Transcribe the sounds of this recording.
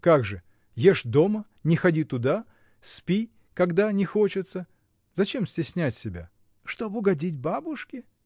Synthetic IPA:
kaɡʐɨ | jeʂd̪o̞mə | nʲɪxɐdʲit̪ʊd̪a | spʲi | kɐɡd̪anʲɪxo̞t͡ɕɪt̪sə | zɐt͡ɕe̞msʲtʲɪsʲnʲætʲsʲɪbʲa̰ | ʂt̪obɨʊɡɐdʲitʲbabʊʂkʲɪ

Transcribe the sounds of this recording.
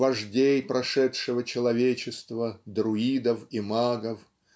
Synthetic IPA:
vɐʐdʲejpɾʔɐʂɛt̪ʂɨvət͡ɕɪlˠɐvʲet͡ɕɪst̪vəd̪ɾʊid̪əfimaɡəf

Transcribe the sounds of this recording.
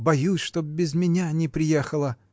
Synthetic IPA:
bɐjusʲʂt̪ob̚bʲɪzmʲɪnʲanʲɪpɾʲɪjexəlˠə

